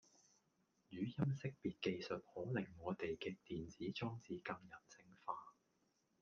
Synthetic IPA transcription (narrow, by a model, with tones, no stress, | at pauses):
jyː˨˧jɐ˥msɪ˥k̚piː˨t̚ke˧jsɵ˨t̚hɔː˨˥lɪ˨˩ŋːɔː˨˧t̪e˨jkɛː˧k̚t̪iː˨nt͡siː˨˥t͡sɔː˥ŋt͡siː˧kɐ˧ŋjɐ˨˩nt͡sɪ˧ŋfaː˧